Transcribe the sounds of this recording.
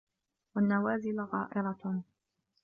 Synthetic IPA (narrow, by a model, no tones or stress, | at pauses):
wanːawaːzɪlɣɑːʔɪɾˤɑ